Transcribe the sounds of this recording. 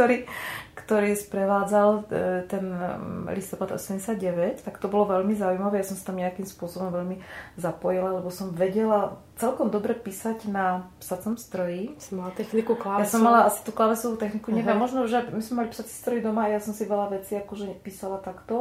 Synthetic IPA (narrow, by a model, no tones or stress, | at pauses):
kt̪ɔɾiːkt̪ɔɾiːspɾɛʋaːd͡zalt̪ɛnlist̪ɔpad̪ɔ̰sɛmɟɛsad̪̚ɟɛʋɛct̪akt̪ɔbɔlɔʋɛʎmizaujmaʋɛːjasɔmsat̪amɲɛakimspʊɔsɔbɔmʋɛʎmizapɔjilalɛbɔsɔmʋɛɟɛla | t͡sɛlkɔmd̪ɔbɾɛpiːsaɟnapsat͡sɔmst̪ɾɔjimalat̪ɛxnikuklajasɔmːalaasi̥t̪uːklaʋɛsɔʋuːt̪ɛxnikuɲɛʋɪɛmːɔʒnɔuʒɛamizmɛmalipsat͡si̥st̪ɾɔjid̪ɔmaːjasɔmsiʋɛlaʋɛt͡siːakɔʒɛpiːsalat̪akt̪ɔ